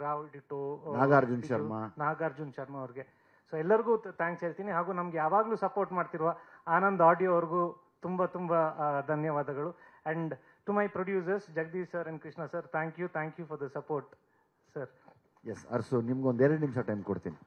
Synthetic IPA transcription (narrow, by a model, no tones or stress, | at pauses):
ɾaːʋiʈiʈonaːɡaːɾd͡ʒunʃɐɾmɐnaːɡaːɾd͡ʒunʃɐɾmɐɐʋɾɡe̞ | soːɛlːɐɾɡuːt̪ʰaːŋkseːɭt̪iːniɦaːɡuːnɐmɐɡejaːʋaːɡluːsɐpoːɾʈmaːɖt̪iɾʋaaːnɐnd̪ɐaːɖijoːʋɐɾɡuː | t̪umbɐt̪umbɐd̪ʱɐnjɐʋaːd̪ɐɡɐɭuɛ̃ɳɖ | ʈumɐjpɾoɖjuːs̬ɐɾsd͡ʒɐɡ̚d̪iːssɐɾenkɾiʂnɐsɐɾt̪ʰãːŋkjut̪ʰaːŋkjufʰɔɾd̪ɐsɐpoːɾʈ | sɐɾ | jesɐ̰ɾsunimɐɡeond̪ɛɾɐɽnimʃɐʈɐjmkoɽt̪ini